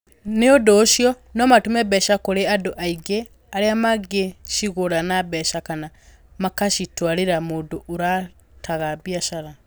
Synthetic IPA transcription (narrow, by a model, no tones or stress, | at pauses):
neodoːʃjɔ | nɔmatumɛbɛʃakoɾeadoʔaiɡe | aɾeamaɡeʃiɣoɾanabɛʃakana | makaʃitwaɾeɾamoːdoʔoɾa | tʰaɣabiaʃaɾa